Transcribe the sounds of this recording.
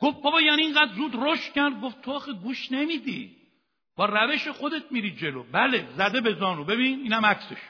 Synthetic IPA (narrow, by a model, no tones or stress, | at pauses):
ɡ̥of̚bɒbɒjaːniiŋɡæd̪zuːd̪roʃt̪cʲæɾd̪̚ɡoft̪ʰoɒːxeɡuːʃne̞mid̪ḭ | b̥ɒːɾæveʃexod̪e̞t̪̚miɾid͡ʒelobælezæd̪ebe̞zɒːnobe̞biːniːnæmækseʃ